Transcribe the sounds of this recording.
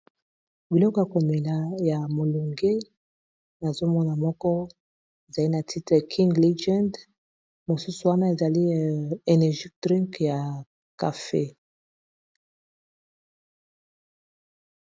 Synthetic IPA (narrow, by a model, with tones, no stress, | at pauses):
bi˨lɔ˦kɔ˨ja˨ko˨mɛ˨na˨ja˨mo˨lu˨ŋɡe˦ | na˨zo˦mɔ˦na˨mɔ˦kɔ˦ | e˨za˨li˦na˨tʰi˦tʁɛ˨kʰĩ˦ŋɡle˦ʒɛ̃˦nd | mo˨su˦su˨wa˦na˦e˨za˨li˦e˨nɛ˨ʒi˦d̥ʁi˦ŋkja˨ | ka˨fḛ˦